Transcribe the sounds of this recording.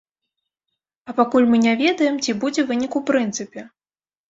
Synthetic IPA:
ɐpakulʲmɨnʲavʲɛd̪ɐjɛmt͡sʲibud͡zʲɛvɨnʲikupɾɨnt̪sɨpʲɛ

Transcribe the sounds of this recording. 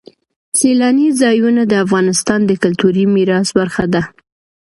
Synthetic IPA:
selɑnizɑjunad̪əafɣɑnɪst̪ɑnd̪əkʊlt̪uɾimiɾɑsbaɾxad̪a

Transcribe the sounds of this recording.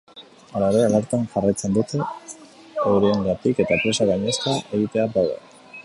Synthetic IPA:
alaeɾealaɾt̪anʝarajt͡se̞nd̪ut̪e | ewɾieŋɡat̪ike̞t̪apɾe̞saɣajɲe̞skaʔe̞ɣit̪e̞abawða̰

